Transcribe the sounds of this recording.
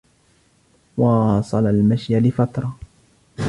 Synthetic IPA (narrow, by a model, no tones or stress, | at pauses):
wɑsˤɑlalmaʃjalɪfat̪ɾˤɑ